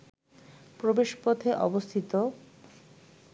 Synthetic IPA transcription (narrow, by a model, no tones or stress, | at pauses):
pɾobeʃpot̪ʰeʔɔbost̪ʰit̪o